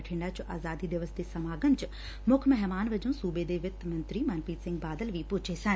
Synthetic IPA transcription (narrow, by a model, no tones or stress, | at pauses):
ʈʰɪ̃ɳɖat͡ʃʊʔaːzaːd̪id̪ɪʋəsd̪esɐmaːɡəmt͡ʃ | mʊkʰmɛɦmaːnʋɐd͡ʒõːsuːbeːd̪eːʋɪt̪ːmɐ̃nt̪ɾiːmɐnpiːt̪sɪ̃ŋɡ̚baːd̪əlʋiːpʊt͡ʃʰeːsən